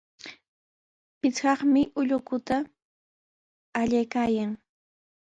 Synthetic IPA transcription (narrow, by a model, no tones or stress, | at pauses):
pɪt͡sɢɑχmɪʔʊʎʊkʊt̪a | ʎajkaːjaŋ